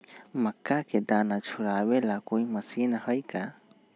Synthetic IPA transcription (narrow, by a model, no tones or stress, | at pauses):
məkːaked̪aːnat͡ʃʰʊɾaːwelakoːiməsinahəjka